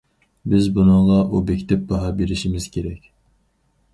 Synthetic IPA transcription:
bɪzbunɨŋʁɑʔubɛkʲʰt̪ɛp̚bɑɦɑbeɾɪʃimɪz̥kʲʰeɾɛkʲ

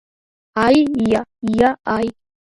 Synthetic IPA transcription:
ajjajaʔaj

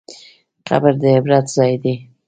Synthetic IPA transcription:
qa̰bəɾd̪əɪbɾat̪zɑjd̪i

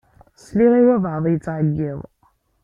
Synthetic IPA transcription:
sliʁiwævʕðˤjət͡sːʕəɡːiðˤ

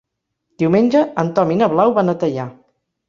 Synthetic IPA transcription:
d̪̥iwmenʲd͡ʒəənt̪ɔminəβlawβanət̪əʎa

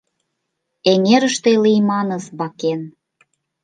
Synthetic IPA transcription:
eŋeɾəʃt̪elijmɑnəsβɑken

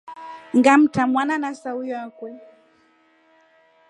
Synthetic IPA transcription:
ŋɡam̩tamwananasaujakwɛ

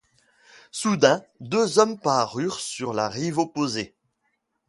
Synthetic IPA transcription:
sud̪ɛ̃d̪øzɔmpaʁyʁsyʁlaʁivɔpoze

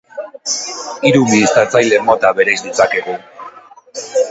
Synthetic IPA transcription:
iɾuβiːst̪at͡sajle̞mo̞t̪aβe̞ɾajzd̪it͡sakeɣu

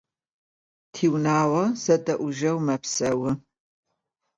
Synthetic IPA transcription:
tʰiːwnaːwɐzɐdɐʔʷʊʒɐwmɐpsɐwɨ

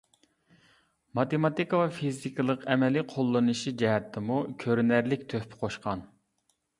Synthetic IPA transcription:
mɑt̪emɑt̪ikəvɛfizikɨlˠəqɛmɛliqʰolˠːɨnɨʃid͡ʒɛɦɛt̪ʰːɪmukʲʰøɾnæɾlɪkʲt̪ʰøhpʰɪ̥qʰoʃqɑn

